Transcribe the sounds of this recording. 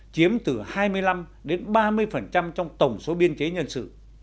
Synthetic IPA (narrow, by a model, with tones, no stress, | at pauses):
t͡ɕi˨˦əmt̪ɨ˨˩haː˧jmɨ˧əjla˧m | ɗe˨˦nɓaː˧mɨ˧əjfə˨˩nt͡ɕa˧mt͡ɕɔ˧wŋ͡mt̪ə˨˩wŋ͡mso˨˦ɓi˧ənt͡ɕe˨˦ɲə˧nsɨ̰˧˨